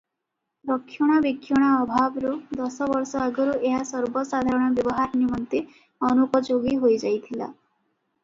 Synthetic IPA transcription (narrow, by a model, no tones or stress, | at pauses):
ɾɔkʰːjɔɽ̃abikʰːjɔɽ̃aɔbʱabɔɾud̪ɔsɔbɔɾsɔaɡɔɾuʔeɦasɔɾbɔsad̪ʱaɾɔɽ̃abjɔbɔɦaɾnimɔnt̪e | ɔnukɔd͡ʒoɡiɦojd͡ʒajt̪ʰila̰